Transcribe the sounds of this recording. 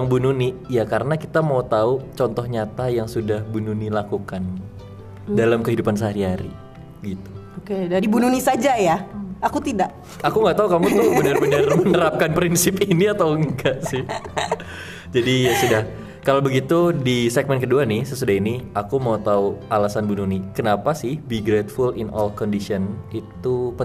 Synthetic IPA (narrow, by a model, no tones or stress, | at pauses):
ŋbununijakaɾənakit̪amaut̪aut͡ʃɔnt̪ɔhɲat̪ajaŋsudahbununilakukan | dalamkəɦidupansəɦaɾiɦaɾḭ | əɡit̪u̥ | okedaɾibununisad͡ʒajaakut̪idaʔ | akuŋɡaʔt̪aukamumabənərbənərmənəɾap̚kanpɾinsɪpiniat̪awŋɡaʔsɪh | d͡ʒadijasudah | kalawbəɡit̪udisɛɡ̚mɛnkəduanɪhsəsudaɦiniʔakumaut̪auʔalasanbununikənapasɪhbiɡɾet̪fulɪnɔlkɔndisɔnit̪upə